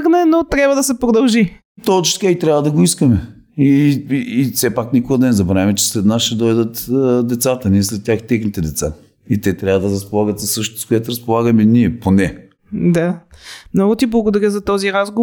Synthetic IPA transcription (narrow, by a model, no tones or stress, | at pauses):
xnɛnot̪ɾʲjabvəd̪ɐsɛpɾod̪ɐlˠʒi | t̪ot͡ʃt̪kait̪ɾʲavəd̪ɐɡoiskəmɛ | iiːfsɛpaknikoɡəd̪ɐnɛzɐbɾavʲimɛt͡ʃɛ̥slɛt̪nasʃɛd̪ɔjd̪ət̪ːd̪ɛt̪sat̪əniɛslɛt̪̚tʲːjaxt̪ɛxnit̪ɛd̪ɛt̪sa | it̪ɛt̪ɾʲavəd̪ɐɾɐspolˠaɡət̪sɐsːɤʃt̪ot̪o̥skoɛt̪oɾɐspolˠaɡəmɛniɛponɛ | d̪amnɔɡʊt̪iblˠɐɡod̪ɐɾʲəzɐt̪ɔziɾazɡo